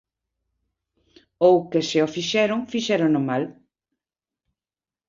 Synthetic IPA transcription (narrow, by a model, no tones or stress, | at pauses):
owkeseofiʃɛɾoŋfiʃɛɾoŋnomal